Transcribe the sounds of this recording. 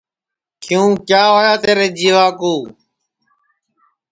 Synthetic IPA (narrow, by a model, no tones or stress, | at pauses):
kʰɪjũːkjaːɦoːjaːt̪eːɾeːd͡ʒiːʋaːkuː